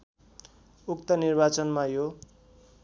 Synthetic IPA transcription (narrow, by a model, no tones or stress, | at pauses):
ukt̪ʌnirbat͡sʌnmajo